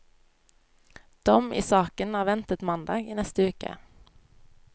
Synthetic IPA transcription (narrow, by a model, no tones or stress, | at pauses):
d̪̥ɔmḭːsɑːkənɑːʋɛnt̪ət̪mɑnd̪ɑːɡiːnɛst̪əʉːkə̰